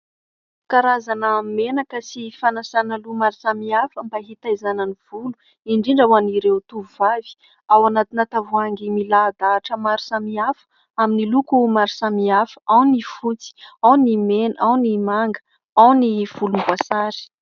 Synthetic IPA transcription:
kaɾazanəmenakəsifanasanalumaɾisamiafəmbaɦit̪ajzanəniv̥ulu | iɳɖ͡ʐiɳɖ͡ʐawaniɾewt̪uvuvavi̥ | awanat̪inat̪avuaŋɡimilad̪aʈ͡ʂəmaɾisamiafə̥ | aminilukumaɾisamiafə̥ʔawnifut͡si̥awnimenawnimaŋɡə̥ | awniv̥ulumbwasaɾi̥

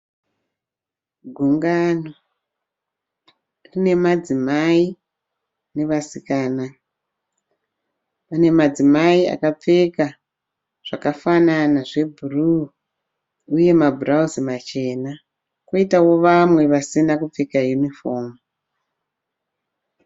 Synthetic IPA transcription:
ɡʱuŋɡano | rine̞mad͡zimai | ne̞ʋasikaːna | pane̞mad͡zimaia̰kap͡fe̞ka | ʐ̥akafananaʐe̞bʱuru | uje̞mabʱurauzimat͡ʃe̞ːna | kwoitawo̞ʋamwe̞ʋasinakup͡fe̞kajunifo̞ːmu

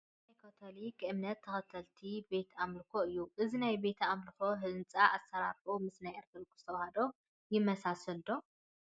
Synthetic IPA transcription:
ajkʰot̪ʰolikʰʔɨmnɐt̪ʰːɐxɐt̪ʰːɐlt̪ʰibe̞t̪ʰamlɨkʰoɨjːuʔɨzinajbe̞t̪ʰamlɨko̞ɦɨnt͡sʼaʔasɐɾaɾomɨsnajeɾt̪ʰɾɐkʼu̥st̪ʰɐwhɐd̪o̞ | jɪmːɐsasɨld̪o̞

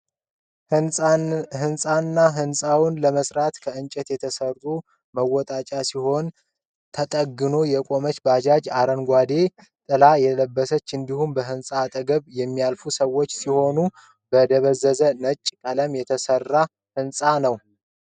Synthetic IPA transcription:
ɦɨnsʼanːaɦɨnsʼawʊnləməsɾat̪kʰəɨnt͡ʃʼɛt̪jɛt̪ʰəsərːu | məwːɔt̪ʼat͡ʃʼasiho̞n | t̪ʰət̪ʼəɡːɨno̞jɛkʼo̞mət͡ʃːbad͡ʒad͡ʒaɾənɡʷad̪e̞ | t̪ʼɨlajɛləbːəsət͡ʃːɨnd̪ihumbəɦɨnsʼat̪ʼəɡəβjɛmːijalfusəwːot͡ʃːsiho̞nu | bəd̪əβəzːəzənət͡ʃʼːkʼələmjɛt̪ʰəsərːa | hɨnsʼanəw

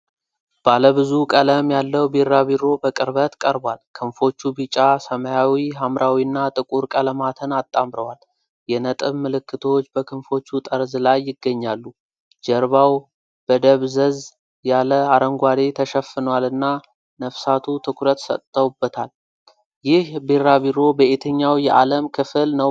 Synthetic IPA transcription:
b̥aləβɨzukʼələmjalːəwbirːaβiɾo̞bəkʼɨɾbət̪kʼəɾbalkʰɨnfo̞t͡ʃːubit͡ʃʼasəməjawiɦamɾʔawiɨnːat̪ʼɨkʼuɾkʼələmat̪ʰənat̪ʼːamɾəwal | jɛnət̪ʼɨβmɨlɨkːɨt̪ʰowt͡ʃːbəkʰɨnfo̞t͡ʃːut̪ʼəɾzlajːɪɡːəɲːalːu | d͡ʒəɾβaw | b̥əd̪əβzəz | jaləaɾəŋɡʷad̪e̞t̪ʰəʃəfːɨnwalɨnːa | nəfsat̪ʰut̪ʰɨkʰuɾət̪sə̰t̪ʼt̪ʼːəwubːət̪ʰal | jɪhbeɾaβiɾo̞bəʔet̪ʰəɲːawjɛʔa̰ləmkʰɨfɨlnəw

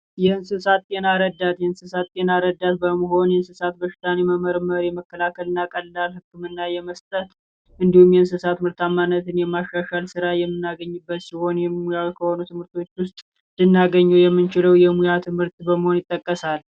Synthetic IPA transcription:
jɛɨnsɨsat̪ːʼe̞naɾəd̪ːat̪jɛɨnsɨsat̪ːʼe̞naɾəd̪ːat̪̚bəməɦo̞njɛnsɨsat̪̚bəʃɪ̥t̪ʰaneməməɾɨməɾjɛməkːəlakʰəlɨnːakʼəlːalhɨkːɨmɨnːajɛməst̪ʼət̪ | ʔɨnd̪ihumjɛnsɨsat̪mɨɾt̪amːanːət̪ʰɨnjɛmaʃːaʃalsɨɾajɛmːɨnːaɡəɲːɨbːət̪siho̞njɛmujawkʰəho̞nut̪ʰɨmhɨɾt̪ʰo̞t͡ʃːwʊst̪ʼ | d̪ɨnːaɡəɲːuwjɛmːɨnt͡ʃɪləwjɛmujat̪ʰɨmhɨɾt̪ʼbəməho̞njɪt̪ʼːəkʼːəsal

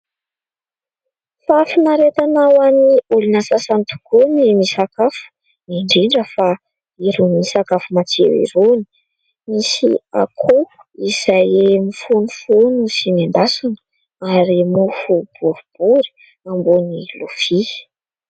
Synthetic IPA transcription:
faafinaɾet̪anawaniulinasasant̪u̥konimisakafu̥ | miɳɖ͡ʐiɳɖ͡ʐəfa | iɾuniisakafumat͡sḛwḭɾuni̥ | misḭa̰kʰo | iz̥ajemifunufonusimand̪asanə̥ | aɾimufub̥uɾub̥uɾi̥ | ambonilufi

